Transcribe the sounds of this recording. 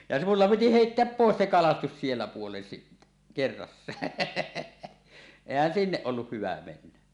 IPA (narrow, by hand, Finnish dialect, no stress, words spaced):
jɑ mulːɑ piti heitːeæp poˑes se kɑlɑstus sielːæ puolen sitːæ kerːɑsːɑː eˑihæn sinːeʔ ʔolːuh hyʋæ menːæ